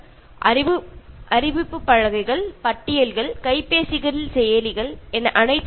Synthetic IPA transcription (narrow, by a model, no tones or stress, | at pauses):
ʔɐɾɪʋɯʔɐɾɪʋɪpːɯpːɐɻɐɣɐɪɣɐɭpɐʈːɪjɐlɣɐɭkɐɪpːeːsɪɣɐɾɪlsɛjɐlɪɣɐɭɛnɐʔɐnɐɪt͡ʃː